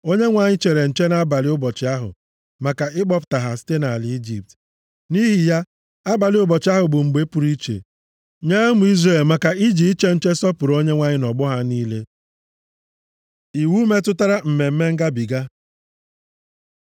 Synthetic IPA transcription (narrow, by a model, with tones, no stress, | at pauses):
o˦ɲe˦ŋʷa˨ɲɪ˦t͡ʃe˨ɾe˨n̩˨t͡ʃe˦na˦ba˨lɪ˦ʊ˦bɔ˨t͡ʃɪ˨a˦ɦʊ̰˨ | ma˨ka˨ɪ˦ɡ͡bɔ˦pʊ̥˨ta˨ɦa˨si̥˦te˦na˨a˨li˨˦i˦d͡ʒi˨p̚t | ni˦ɦi˨ja˦ | a˦ba˨lɪ˦ʊ˦bɔ˨t͡ʃɪ˦a˦ɦʊ˨bʊ˨ŋ͡m̩˨ɡ͡be˦pʊ˨ɾi˦t͡ʃḛ˨ | ɲe˦mu˨˦i˦zɾe˦˨lma˨ka˨i˦d͡ʒi˨i˦t͡ʃe˦n̩˦t͡ʃe˦sɔ˦pʊ˨ɾo˦ɲe˦ŋʷa˨ɲɪ˦nɔ˨ɡ͡bʊ˦ɦa˦niː˦le˦ | i˨wu˦me˦tʊ˦ta˦ɾa˦m̩˨me˨m̩˦me˦ŋ̩˦ɡa˦bi˨ɡa˦